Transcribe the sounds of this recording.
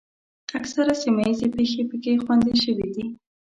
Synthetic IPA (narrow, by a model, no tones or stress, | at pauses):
aksaɾasimajizepexepəkexwand̪eʃəwid̪i